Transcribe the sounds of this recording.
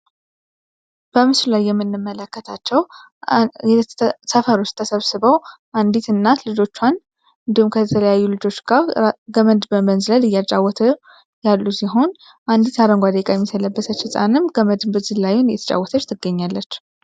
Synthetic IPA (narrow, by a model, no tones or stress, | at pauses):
b̥əmɨslulajːɛmːɨnːɨmːələkːət̪ʰat͡ʃːɛw | ɛsəfəɾot͡ʃt̪ʰːəsəβsɨβəwʔand̪it̪ɨnːatlɨd͡ʒo̞t͡ʃːwan | ɨnd̪ihumkʰət̪ʰələjajːulɨd͡ʒo̞t͡ʃːɡ̥aɡəmənd̪bəmənzɨləlɨjːat͡ʃʼawːɔt̪ʰə | jalːusiɦo̞n | ʔand̪it̪aɾəŋɡʷad̪əkʼajɛmːisələbːəsət͡ʃːɨsʼa̰nɨmɡəməd̪ɨmbɨzɨlajunjɛt̪ʰət͡ʃʼa̰wɔt̪ʰət͡ʃːt̪ʰɨɡːəɲːalːət͡ʃː